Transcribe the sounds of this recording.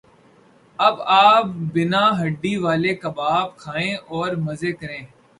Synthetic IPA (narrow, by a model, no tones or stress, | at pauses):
ɐbaːp̚bɪnãːɦəɖːiːʋaːleːkəbaːb̚kʰaːẽːʔɔːɾməzeːkəɾẽː